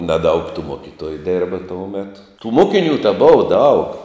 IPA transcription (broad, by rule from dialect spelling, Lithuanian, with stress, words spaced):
nɐˈdɐʊk tuː ˈmoːkʲɪtoːjʊ ˈdʲɪrbɐ ˈtoːʊ ˈmʲæːtʊ tuː ˈmoːkʲɪnʲuː tɐ ˈboːʋɐ dɐʊk